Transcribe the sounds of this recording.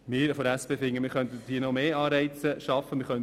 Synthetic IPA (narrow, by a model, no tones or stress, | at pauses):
mɪːɾfɔɾæspeːfɪŋːəmɪːɾχœnt̪əd̥iənɔmeːɑːɾɛɪt͡səʃɑfːəmɪːɾχœn